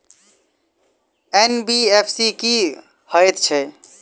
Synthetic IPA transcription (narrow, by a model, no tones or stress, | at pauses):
enbiepʰsiki | həjt̪t͡ʃʰɛ